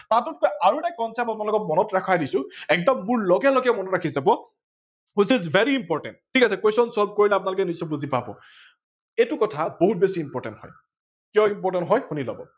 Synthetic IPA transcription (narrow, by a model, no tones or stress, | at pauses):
tatɔt̚kojaɹunakɔnsapapʊnalʊkɔt̚mɔnɔtɹakʰajdisʊ̃ɛk̚dɔmːuɹlɔɡɛlɔɡɛmɔnɔtɹakʰizabɔ | wit͡ʃizvʱeɹiːmpɔɹtɛ̰nt̚tʰːikasɛkwesɔnsɔlb̚koɹilɛapʊnalʊkɛnisɔbuzipabɔ̰ | etʊkɔtʰaboɦut̚besiːmpɔɹtɛ̰nthɔ̰j | kijɔimpɔɹtɛntɦɔjxunila̰bɔ̰